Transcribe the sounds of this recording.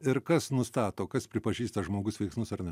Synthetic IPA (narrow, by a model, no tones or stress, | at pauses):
ɪɾkɐsnʊst̪ɑːt̪oːkɐspʲɾʲɪpɐʒʲiːst̪ɐʒmoːɡʊsʋʲɛɪksmʊsɐɾrnʲɛ